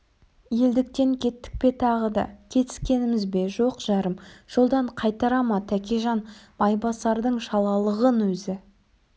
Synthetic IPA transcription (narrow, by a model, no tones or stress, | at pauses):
je̞ld̪ɪk̚t̪e̞ŋkʲʰe̞t̪ːɪ̥k̚pe̞t̪ʰɑʁəd̪ɑ̰kʲʰe̞t̪ɪ̥skʲe̞nɪmɪzbe̞ʒo̞qʒ̥ɑɾəmʒ̥o̞lˠd̪ɑɴqʰɑjt̪ɑɾɑmɑt̪ʰækʲeʒɑnbɑjbɑsɑɾd̪əɴʃɑlˠɑlˠəʁənwɵzɪ